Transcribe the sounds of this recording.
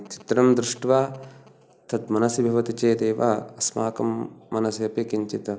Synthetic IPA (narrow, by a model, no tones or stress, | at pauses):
t͡ʃi̥t̪ɾɐmd̪ɾɪʂʈʋaː | t̪ʰɐt̪mɐnɐsibʱɐʋɐt̪it͡ʃeːt̪eːʋa̰ɐsmaːkɐmːɐnɐsiɐpikiɲt͡ʃit̪ɐ